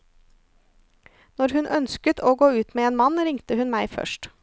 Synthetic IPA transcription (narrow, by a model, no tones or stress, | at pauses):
nɔɾhʉnʔœnskət̪ʰoːɡoːʉːt̪meːeːnmɑnɾɪŋt̪əhʉnmæɪfœ̰ʃʈ